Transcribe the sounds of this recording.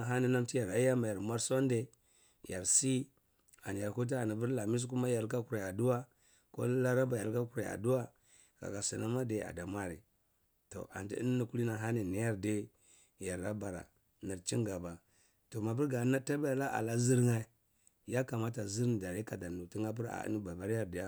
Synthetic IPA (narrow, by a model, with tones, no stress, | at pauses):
ɦa˦ni˨na˦mti˦ja˨ɾa˦ja˦ma˨ja˨ɾmʷa˦ɾso˦n˦de˨ | ja˨ɾsi˦ | a˨n˨ja˨ɾku˦t̬a˦a˨ni˨bu˦ɾla˨mi˦s̬k̬u˦ma˦ja˨ɾka˦ku˨ɾa˨a˨du˦wa˦ | ko̰˦la˦ɾa˦ba˨ja˨lka˦ku˨ɾa˨a̰˨du˦wa˦ | ka̰˨ka˨si˨na˦ma˦de˨a̰˨da˨mʷa˦ɾḭ˨ | to̰˨ʔa̰˨ndḭ˦i˦n˦i˦ku˦li˦na˨ɦa˦ni˨ni˨ja˦ɾde˦ | ja˨ɾla˦ba˨ɾa̰˨ | na˨ɾt͡ʃi˦ŋɡa˨ba˨ | to˨ma˨bu˦ɾɡa˨˦na˦ta˦ba˦ja˨la˦ʔa̰˨la˦zi˦ɾŋa˦˨ | ja˦ka˨ma˦ta˨zi˦ɾn˨da˨ɾi˦ka˨da˨nu˨ti˦ŋa˦p̬u˦ɾa̰˨˦ni˦ba˨ba˨˦ɾja˦ɾdi˨ja˦